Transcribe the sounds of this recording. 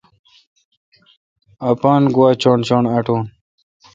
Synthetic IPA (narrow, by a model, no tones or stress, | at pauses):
ɐpaːnɡwaːt͡ɕoɳt͡ɕoɳɐʈoːn